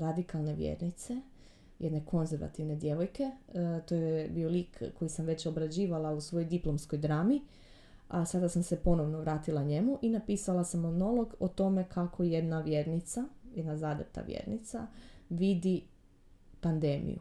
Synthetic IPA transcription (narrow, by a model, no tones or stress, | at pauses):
ɾad̪ikalˠne̞ʋjḛɾnit̪se | jed̪ne̞kʰo̞nzeɾʋa̰t̪iʋne̞d̪je̞ʋo̞jke̞t̪o̞jebio̞liːkːo̞jisamʋe̞t͡ɕobɾad͡ʑiːʋalˠausʋo̞jojd̪iplo̞msko̞jd̪ɾaːmi | asad̪asamsepo̞noʋnoʋɾaːt̪ilˠaɲe̞muʔinapiːsalasamono̞lˠo̞ɡot̪o̞me̞kʰakʰo̞je̞d̪naʋjeːɾnit̪sajed̪nazaːd̪ept̪a̰ʋjḛɾnḭt̪sa̰ʋid̪i | pand̪e̞ːmḭjṵ